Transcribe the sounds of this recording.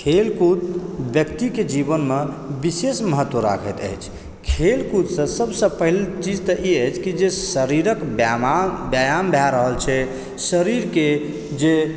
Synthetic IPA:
kʰelkut̪bjəkt̪iked͡ʒibənme | bisesməɦət̪ːwəɾa̰kʰət̪ə̰jt͡ʃʰ | kʰelkut̪sə̃səbsə̃pəɦilt͡ʃid͡ʒt̪əʔiəjt͡ʃʰkid͡ʒesəɾiɾəkbbjajambʱjaɾəɦəlt͡ʃʰɛ | səɾiɾke | d͡ʒe

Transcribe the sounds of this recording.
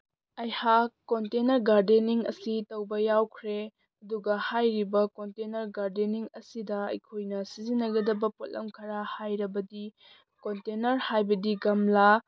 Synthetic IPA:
ɐjhakkːontenɐɾɡaɾdeniŋɐ̰sitɐwbɐjawkʰɾe | ɐduɡɐhajɾibɐkontenɐɾɡaɾdeniŋɐsidɐɐ̰jkʰojnɐsizinːɐɡɐdɐbɐpot̚lɐ̰mkʰɐɾahajɾɐbɐdi | kontenɐɾhajbɐdiɡɐmla

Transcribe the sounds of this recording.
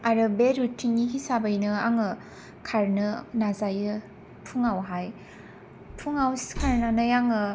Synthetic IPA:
aɾɯbeɾutʰiŋniɦisabajnɯaŋɯ | kʰaɾnɯnazajɯ | tʰuŋawɦaj | tʰuŋawskʰaɾnanɯjaŋɯ

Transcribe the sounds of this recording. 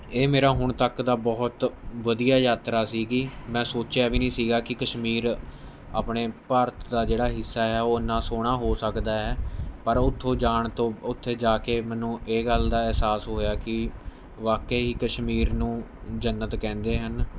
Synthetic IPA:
eːmeːɾaːɦʊɳt̪əkd̪aːbɔːt̪ʋəd̪ijaːjaːt̪ɾaːsiːɡiːmɛ̃ːsoːt͡ʃjaːʋiːnĩːsiːɡaːkɪkəʃmiːɾ | a̰ːpɳeːpəɾət̪d̪aːd͡ʒeːɽaːɦɪsːaːɦɛːoːnːãːsoːɽ̃aːɦoːsəkd̪aːɦɛːpəɾʊt̪ʰːõːd͡ʒaːɳt̪õːʊt̪ʰːeːd͡ʒaːkeːmɛ̃ːnũːʔeːɡəld̪aːɛɦsaːsɦoːjaːkɪ | ʋaːkeːɦiːkəʃmiːɾnũːd͡ʒənːət̪kɛ̃ːnd̪eːɦən

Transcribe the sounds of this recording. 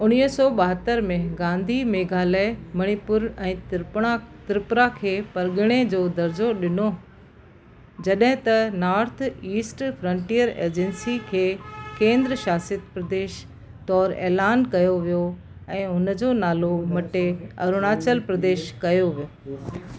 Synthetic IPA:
ʊñiɦsɔːɓɐɦət̪ːəɾmẽɡãːnd̪ʱimeːɡʱaːlamɐɽ̃ipʊɾɛ̃ːɽ̃at̪ɪɾɪpɾakʰeːpɐɾɡɪɽ̃ed͡ʑoːd̪ɐɾd͡ʑoɗɪno | d͡ʑɐɗɦɪ̃t̪ɐnaːɾt̪ʰiːsʈfʰɾɐ̃ɳʈijəɾḛːd͡ʑɛ̃nsikʰeːkẽːnd̪ɾəʃaːsiət̪pɾɐd̪eːʃ | t̪ɔːɾḛːlaːnkɐjoʋijo | ɛ̃ːʊnəd͡ʑoːnaːlomɐʈeɐ̰ɾʊɽ̃aːt͡ɕəlpɾɐd̪eːʃkɐjoʋijoː

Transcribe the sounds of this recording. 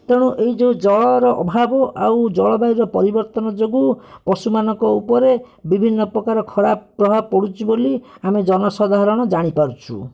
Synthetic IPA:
t̪eɽ̃uʔeɦid͡ʒewd͡ʒɔɭɔɾɔʔɔ̰bʱabɔʔawd͡ʒɔɭɔbaiɾɔpɔɾibɔɾt̪ɔnɔd͡ʒoɡupɔsumanɔŋkɔupɔɾe | bibʱinːɔpɾɔkaɾɔkʰɔɽapɾɔbʱabɔkɔɽut͡ʃʰiboliamed͡ʒɔnɔsɔd̪ʱaɦɾɔɽ̃ɔd͡ʒaɽ̃ipaɾut͡ʃʰṵ

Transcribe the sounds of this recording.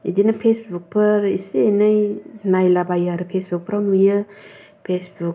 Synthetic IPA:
ḭdinapʰesbuk̚pʰɯɾisenajnajlabajaɾɯpʰesbuk̚pʰəɾamujɯ | pʰesbuk̚

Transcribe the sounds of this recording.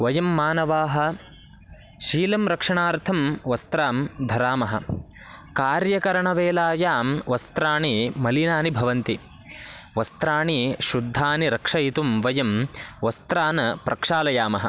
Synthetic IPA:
ʋɐjɐmːaːnɐʋaːɦɐ̆ | ʃiːlɐmɾɐkʂɐɳaːɾt̪ʰɐmʋɐst̪ɾaːmd̪ʱɐɾaːmɐɦɐ̰̆ | kaːɾjɐkɐɾɐɳɐʋeːlaːjaːmʋɐst̪ɾaːɳimɐlinaːnibʱɐʋɐnt̪i | ʋɐst̪ɾaːɳiʃud̪ʱːaːniɾɐkʂɐjit̪umʋɐjɐmʋɐst̪ɾaːnɐpɾʔɐkʂaːlɐjaːmɐɦɐ

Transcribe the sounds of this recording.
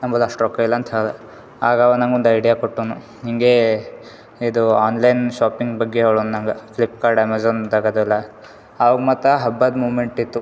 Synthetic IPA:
nɐmbod̪ɐʂʈɾokːɐilːɐːnt̪ʰɐlɐ | aːɡaʋɐnɐŋɡond̪ɐjɖijakoʈːoːnu | ɦiŋɡe | id̪uaːnlɐjnʃaːpiŋɡbɐɡːeɐʋɭonunɐŋɡɐklip̚kaːɾɖemazoːnd̪ɐɡɐd̪ɐlːɐː | ʋɐɡmaːt̪ɐɦɐbːad̪muːʋmeɳʈit̪ːu

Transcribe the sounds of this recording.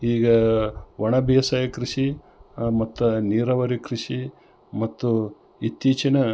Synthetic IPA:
iːɡɐʋɐɳɐbijɐsɐjɐkɾiʂi | mɐt̪ːuniːɾɐʋɐɾikɾiʂi | mɐt̪ːu | it̪ːiːt͡ʃɐnɐ

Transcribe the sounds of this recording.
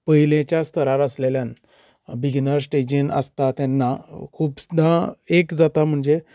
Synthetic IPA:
pəɦilẽt͡ɕjast̪ʰəɾaɾəsleljãn | biɡnəɾs̬ʈed͡ʑinə̰st̪at̪anːakʰuːpsd̪ãekd͡zat̪am̤əɳd͡ze

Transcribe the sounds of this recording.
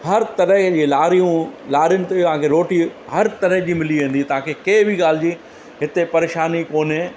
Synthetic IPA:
hɐɾt̪ɐɾəɦd͡ʑiːlaːɾijũlaːɾijʊnɪ̆t̪eɐʋ̤ãkʰeɾoːʈihɐɾt̪ɐɾəɦd͡ʑiːmɪliʋẽːn̆d̪it̪ɐʋ̤ãkʰeːkeːbʱiɠaːl̤ɪd͡ʑiː | ɦɪt̪epɐɾeːʃaːnikoːnɪ̃

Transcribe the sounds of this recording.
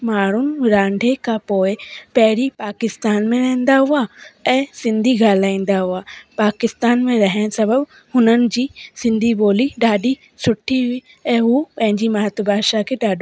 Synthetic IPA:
maːɽ̤ʊnɪ̆ɾãːɳɖʱekʰãpoːɪpɐɦɪɾipaːkɪst̪aːnmẽɾɐɦə̃nd̪aɦuaɛ̃ːsɪ̃nd̪ʱiɡaːlaːĩːn̆d̪aɦuapaːkɪst̪aːnmẽɾɐɦəɽ̃sɐbəb | hʊnənɪ̆d͡ʑiːsɪ̃nd̪ʱiboːliɗaːɗi | sʊʈʰiiː | ɛ̃ːɦupɐ̃ɦɪ̃ɲd͡ʑimaːət̪bʱaːʃakʰeɗaːɗʱ

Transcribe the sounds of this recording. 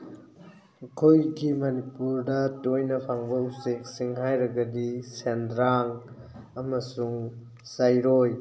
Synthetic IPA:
kʰojɡimɐnipuɾdɐtojnɐpʰaŋbɐusik̚siŋɦajɾɐɡɐdisendɾaŋ | ɐmɐsuŋ | sajɾoj

